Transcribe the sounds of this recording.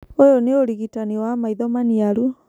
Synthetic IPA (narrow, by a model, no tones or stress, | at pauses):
ojoneoɾiɣitaniwamaiðɔmaniaɾu